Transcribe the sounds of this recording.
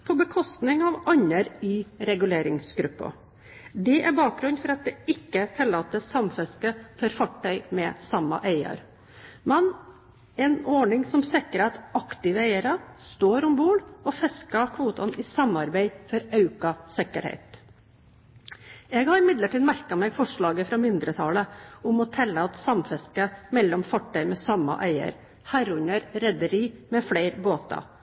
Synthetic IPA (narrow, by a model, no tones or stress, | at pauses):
pʰɔbəkʰɔst̪nɪŋɑʋɑɲːəɾiːɾɛɡʉleːɾɪŋsɡɾʉpːɑ̰ | d̪ɛʔæɾbɑːk̚ɡɾʉnd̪fɔɾɑt̪̚d̪ɛɪkːət̪ʰɪlːɑːt̪əsɑmfɛskəfɔɾfɑʈːœʏmɛsɑmːɑ̰ʔeɪə̰ɾ | mɛn | ɛnɔɳɪŋsɔmsɪkəɾɛt̪ɑkt̪ɪʋeɪəɾɑst̪oːɾʊmbuːɽɔfɛskɑkʰʋuːt̪ɑnɪsɑmɑɾbæɪfɔɾɑʉkɑsɪkə̰ɾhɛ̰ɪt̪ | ɛɡhɑɾɪmɪd̪ləʈʰiːd̪mæɾkɑmɛːɡfɔʂɭɑːɡəfɾɑmɪnd̪ɾət̪ʰɑːləʊmɔt̪ʰɛlːəɑt̪sɑmfɛskəmɛlːɔmfɔʈːœʏmɛsɑmːɑ̰ʔæɪə̰ɾ | hæɾʉɲəɾɾɛd̪əɾiːmɛfleɪɾboːt̪ɑ̰